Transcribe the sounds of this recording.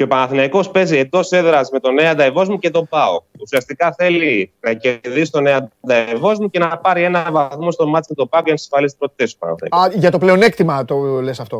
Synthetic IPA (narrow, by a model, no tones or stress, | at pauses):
ceo̞pɐnɐθinɐiko̞spe̞zie̞nd̪o̞se̞ðɾɐzme̞t̪o̞ne̞ɐd̪ɐevo̞zmuce̞t̪o̞bɐo̰usiɐst̪ikɐθe̞likɾɐce̞ɾðisi̥t̪one̞ɐd̪ɐevo̞zmuce̞nɐpɐɾie̞nɐvɐθmo̞st̪o̞mɐt͡simet̪o̞pɐokensi̥sfɐlist̪i̥pɾot̪i̥t̪esupɐ̰nɐ̰θḛʝɐt̪ople̞o̞nekt̪imɐt̪olesɐft̪o̞